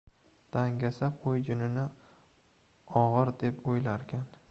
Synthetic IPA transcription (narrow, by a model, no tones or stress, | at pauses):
d̪̥aŋɡʲasaqʰojd͡ʒʊnɪnɪ | ɒʁɨɾd̪e̞pojlaɾkʲʰan